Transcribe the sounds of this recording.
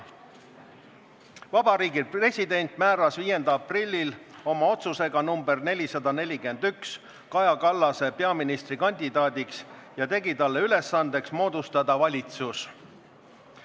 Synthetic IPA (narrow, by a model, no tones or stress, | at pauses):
vɑb̥ɑɾiːɡipre̞sʲid̪e̞nʲt̪ˑmæːɾɑsviːje̞nd̪̥ɑɑprilʲːilo̞mɑo̞t̪suse̞ɡ̥ɑnumbe̞rne̞lʲisɑd̪ɑne̞lʲike̞nd̪̥yks | kɑjɑkɑlːɑse̞pe̞ɑminist̪rikɑnʲd̪id̪ɑːd̪iksjɑt̪e̞ɡit̪ɑlːe̞yle̞sːɑnd̪̥e̞ksmo̞ːd̪̥ust̪ɑd̪̥ɑvɑlʲit̪sus